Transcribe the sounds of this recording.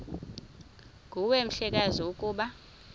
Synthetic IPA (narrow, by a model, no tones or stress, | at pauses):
ŋɡʱuwem̩ɬɛk̬ʼaziukʼuːɓa